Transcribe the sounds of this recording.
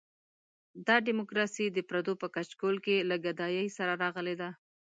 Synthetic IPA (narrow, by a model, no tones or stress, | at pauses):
d̪ɑɖimokɾɑsid̪əpɾad̪opəkat͡ʃkolkelaɡad̪ɑjəjsaɾaɾɑɣəled̪a